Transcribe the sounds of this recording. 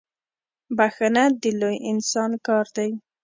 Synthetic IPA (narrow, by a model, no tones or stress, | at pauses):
baxanad̪əlojɪnsɑnkɑɾd̪aj